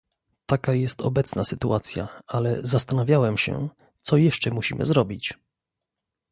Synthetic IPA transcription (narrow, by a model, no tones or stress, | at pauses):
t̪akajɛst̪ɔ̰bɛt̪snasɘt̪uʔat̪sʲja̰alɛzast̪anavʲjawɛmɕɛ̰ | t̪sɔjɛʂt͡ʂɛmuɕimʔɘ̰zɾɔbʲit͡ɕ